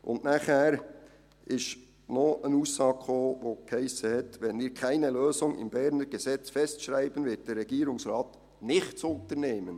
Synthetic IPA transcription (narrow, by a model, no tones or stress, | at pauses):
ʔʊ̰ndnaχhæːɾ | ʔɪʃ | noənuːsːɑːɡχoːvoːkhaɪsəhɛtʋɛnviːɾkʰaɪnəløːsʊŋɪ̰mbɛɾnəɾɡɛsɛt͡sfɛstʃɾaɪbənvɪt̚d̥ɛrːɛɡ̥iːɾʊŋsrɑːt | nɪχtt͡sʊntəɾneːmən